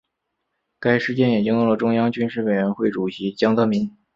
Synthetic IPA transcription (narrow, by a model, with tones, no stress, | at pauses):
ka˥ɪʂɻ̩˥˧t͡ɕjɛ˥nji˨˩t͡ɕi˥ŋjo˥˩˧lə˨˩ʈ͡ʂʊ˥ŋjɑ˥ŋt͡ɕy˥nʂɻ̩˥˩we˨˩ɪɥɛ˧˥nxwe˥˩ɪʈ͡ʂu˨˩ɕi˧˥t͡ɕjɑ˥ŋt̪ɤ˧˥mi˧˥n